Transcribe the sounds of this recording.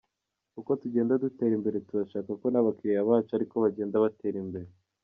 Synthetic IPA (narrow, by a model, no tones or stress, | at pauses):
kuko̞tuɟe̞ːndadute̞ːɾimbe̞ɾe̞tuɾaʃaːkako̞naβakiɾiaβaːt͡ʃoaɾiko̞βaɟe̞ːndaβate̞ːɾimbe̞ɾe